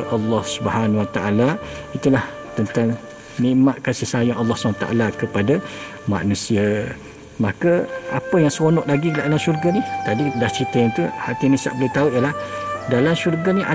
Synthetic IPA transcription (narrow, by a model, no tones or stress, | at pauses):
ʔɑlːɑhsubhanwat̪aʔalait̪ulah | t̪ənt̪aŋ | niʔmaʔ̪̚kəsihsajaŋɑlːɑhsubanat̪aʔa̰lakəpada | ma̰nũsia | makəapəjaŋsəonɔʔlaɡilaʔdalamʃurɡanit̪adidaht͡ʃit̪əjant̪uhat̪inisa̰ʔbəlut̪auʔjəlah | dalamʃurɡaniʔa̰